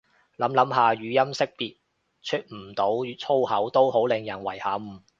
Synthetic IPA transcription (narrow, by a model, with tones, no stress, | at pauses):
lɐ˨˥mlɐ˨˥mɦaː˨ɥyː˨˧jɐ˥msɪ˥k̚piː˨t̚ | t͡ʃʰɵ˥t̚m̩˨˩t̪o˨˥wt͡sʰo˥whɐ˨˥wt̪o˥who˨˥wlɪ˨˧ŋjɐ˨˩nwɐ˨˩jhɐː˨˧˥m̩ː˨˩